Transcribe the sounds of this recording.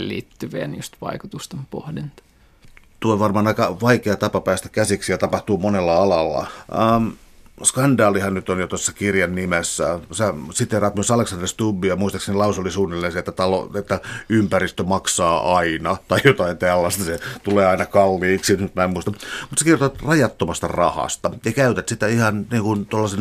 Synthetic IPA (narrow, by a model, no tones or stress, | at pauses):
llḭːt̪ːyʋḛːnyst̪ʋɑ̰ikut̪ust̪empo̰hdint̪ɑ̥ | t̪uoʋɑrmɑːnɑikɑʋɑikeɑt̪ɑpɑpæːst̪æ̥kæsiksijɑt̪ɑpɑht̪uːmonelːɑɑlɑlːɑ̰mskɑndɑːlihɑnnyt̪onjot̪osːɑkirjɑnːimesːæsæsit̪ːerɑːt̪myøsɑleksɑnd̪rist̪ubːiɑmuist̪ɑksenilɑusulːisuːnːelːinenset̪ːæt̪ɑlo̰et̪ːæympærist̪ømɑksɑːʔɑinɑt̪ɑijot̪ɑint̪ælːæst̪ɑset̪uleːɑinɑkɑlːiːksimut̪mæemmuist̪ɑmut̪sekirot̪ot̪rɑjɑt̪ːomɑst̪ɑ̰rɑhɑ̰st̪ɑjɑkæyt̪et̪sit̪æihɑnniːŋkunt̪olːɑsen